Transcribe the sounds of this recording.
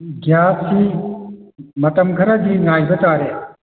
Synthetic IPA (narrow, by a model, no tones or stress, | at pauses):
ɡjasi | mɐtɐmɡʱɐɾɐdiŋajbɐtaɾe